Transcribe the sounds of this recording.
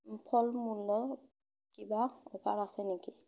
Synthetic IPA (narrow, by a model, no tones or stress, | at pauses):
pʰɔlmulːɔ | kibaɔpʰaɹasɛneki